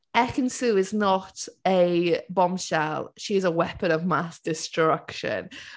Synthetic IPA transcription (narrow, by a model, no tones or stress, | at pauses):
ɛkə̃nsʉːɪznətəbɒ̃mʃa̰lˠʃiɪzəwɛpə̃nəvmasd̥ɪstɹ̥ʌkʃə̰̃n